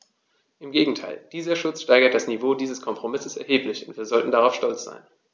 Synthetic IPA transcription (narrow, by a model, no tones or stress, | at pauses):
ʔɪmɡeːɡŋ̩tʰaɪld̥iːzɐʃʊt͡sʃtaɪɡɐt̚d̥asnivoːdiːzəskʰɔmpʁ̥omɪsəsɛɐɦeːplɪçʊntv̥iːɐzɔltn̩daʁaʊfʃtɔlt͡sz̥a̰ɪn